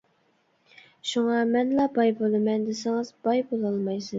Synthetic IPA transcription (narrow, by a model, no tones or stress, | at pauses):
ʃuŋɑmɛnlˠɑbɑjbolˠɨmɛnd̪ɪsɪŋɨzbɑjbolˠɑlˠmɑjsɨ